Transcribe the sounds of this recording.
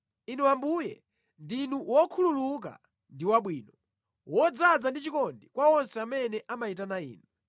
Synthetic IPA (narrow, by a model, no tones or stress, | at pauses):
inuwambujɛ̰ | ndinuwɔkʰululuk̬a̰ | ndiwaɓwiːnɔ | wɔd͡zad͡zandit͡ʃikɔndikwawɔnsɛamɛnɛʔamaitanaḭːnu